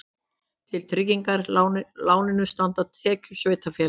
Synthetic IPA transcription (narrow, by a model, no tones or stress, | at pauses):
t̪ʰɪlt̪ʰɾɪciŋkaɾ̥laːwnɪnʏ̥st̪ant̪aðt̪ʰɛːcʏsveːjt̪afjɛ